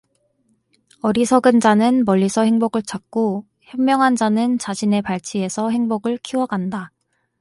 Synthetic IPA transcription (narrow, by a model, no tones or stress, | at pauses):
ʌɾisʰʌɡɯnd͡ʑanɯnmʌʎːisʰʌhe̞ŋboɡɯɭt͡ɕak̚k͈o | çjʌmmːjʌŋɦand͡ʑanɯnt͡ɕaɕʰine̞paɭt͡ɕʰie̞sʰʌɦe̞ŋboɡɯɭkʰiwʌɡanda